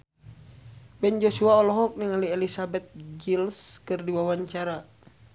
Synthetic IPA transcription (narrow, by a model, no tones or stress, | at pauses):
bɛnd͡ʒɔsuaɔlɔɦɔk̚niŋaliɛlisabɛt̪̚d͡ʒilskɨrdiwawaɲt͡ʃaɾa